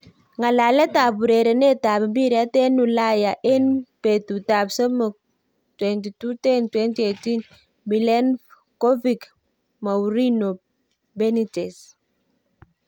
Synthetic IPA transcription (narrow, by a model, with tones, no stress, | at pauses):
ŋa˨la˨lɛ˦ta˨bu˨ɾe˨ɾe˨nɛ˦ta˨bmbi˦ɾa˦tɛ˦nu˨la˦ja˨ʔɛ˦npe˨tu˨ta˨bsə˦mə˨ | twɛnti˨tu˦tɛ˦ntwɛ˦nti˦e˨ti˦n | bi˨lɛ˦n | ko˦vik | ma˨ɾi˦no˨ | bɛ˦nitɛ˨s